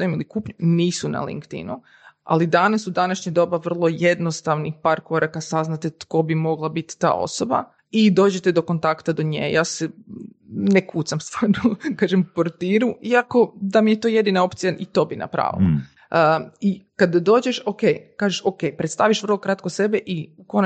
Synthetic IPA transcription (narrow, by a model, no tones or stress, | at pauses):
oimilˠikupɲuniːsuna̰lḭŋkt̪ḭnu | a̰lid̪anasud̪anaʃɲad̪o̞baʋr̩lˠo̞jed̪nost̪aʋnixpaːɾko̞ɾakasaznat̪et̪ko̞bimo̞ɡlˠabit̪ːa̰ːʔo̞̰soba̰ | id̪oːd͡ʑet̪ed̪o̞ko̞nt̪akt̪ad̪oɲḛjaːsɛ | nekuːt̪samst̪anukaːʒempoɾt̪iːɾuiako̞d̪amijet̪oːje̞d̪inao̞pt̪sijaʔit̪o̞ːbina̰pɾa̰ʋḭla̰ | ikad̪ad̪o̞ːd͡ʑeʃokejkaːʒeʃokejpɾet̪st̪aʋiʃʋr̩lˠo̞kɾat̪kose̞beʔiukon